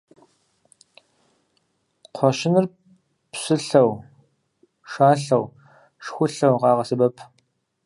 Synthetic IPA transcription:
qʷʰɔʃɪnɨr | psɨɬɐw | ʂaːɬɐw | ʂxʷʊɬɐwʁɑːʁɐsɨbɐpʰ

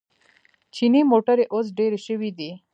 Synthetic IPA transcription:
t͡ʃinimoʈəɾeʔos̬ɖeɾeʃəwid̪i

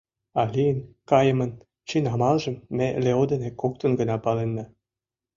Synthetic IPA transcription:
ɑlʲiənkɑjə̆mə̆n | t͡ɕinɑmɑlʒə̆mːeleod̪enekːok̚t̪ə̆nɡənɑpɑlenːɑ

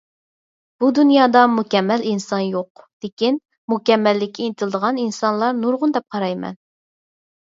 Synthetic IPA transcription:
b̥ud̪unjɑːd̪ɑmukʲɛmːɛlinsɑnjoqd̪̥ekʲin | mukʲɛmːɛlːɪkʲʰːiinɪt̪ʰɪlˠɨd̪əʁɑninsɑnlˠɑɾnuɾʁʊnd̪ɛp̚qʰɑɾɑjmɛ̰n

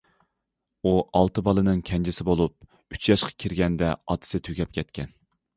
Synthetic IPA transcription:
uɑlˠt̪ɨbɑlˠɨnɨŋkʲʰɛnd͡ʒɪsɪbolˠup̚ | yt͡ʃʰjɑʃqʰɑ̥kʲʰiɾɡʲɛnd̪ɛɑt̪ʰɨ̥sɨt̪ʰyɡʲɛp̚kʲʰɛt̪̚kʲʰɛn

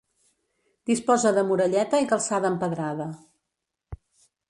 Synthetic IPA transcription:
d̪̥ispɔzəðəmuɾəʎɛt̪əikəlˠsaðəːmpəðɾaðə

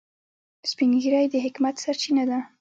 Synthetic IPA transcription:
spiŋɡiɾajd̪əɦɪkmat̪saɾt͡ʃinad̪a

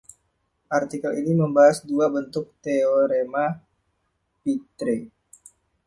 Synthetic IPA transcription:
ʔart̪ikəliniməmbaɦasduabənt̪ʊk̚t̪eoɾema | pit̪ɾi

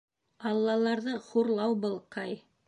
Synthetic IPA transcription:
ɑlˠːɑlˠɑɾðɤχuɾlˠɑwbɤ̆lˠqɑj

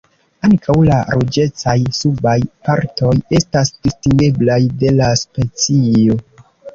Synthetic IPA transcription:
aŋkʰawlaɾod͡ʒe̞t͡sajsubajpaɾto̞je̞stasd̥istiŋɡe̞blajde̞laspe̞t͡sio̞

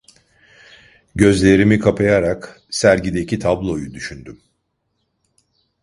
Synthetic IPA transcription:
ɟø̞zlʲe̞ɾimikʰapʰajaɾak | sæɾɟid̪ecit̪ʰablˠo̞jud̪yʃynd̪ym

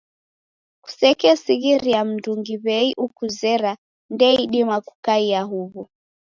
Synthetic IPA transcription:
ku̥sɛkɛsiɣiɾiam̩duŋɡiβɛiʔukuzɛɾa | ndɛiɗimaku̥kaiaɦuβu

